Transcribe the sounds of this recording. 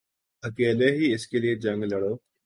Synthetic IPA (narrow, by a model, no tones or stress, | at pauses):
ɐkeːleɦiɪskelied͡ʒɐ̃ŋɡlɐɽoː